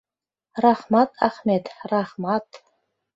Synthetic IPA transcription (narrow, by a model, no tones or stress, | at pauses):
raħmatʼʰa̰χmetʰʼraħmatʰʼ